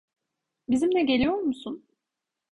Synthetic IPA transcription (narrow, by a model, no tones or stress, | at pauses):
bizimnɛɟe̞lʲijo̞ɾmusun